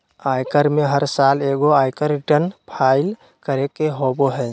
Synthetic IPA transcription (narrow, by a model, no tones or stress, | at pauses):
ajkəɾmeɦəɾsaleɡoajkəɾiʈənpʰaɪl | kəɾekeɦoboɦə